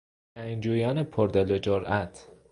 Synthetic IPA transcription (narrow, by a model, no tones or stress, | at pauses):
æjnd͡ʒujanepʰoɾd̪eled͡ʒoɾæt̪ʰ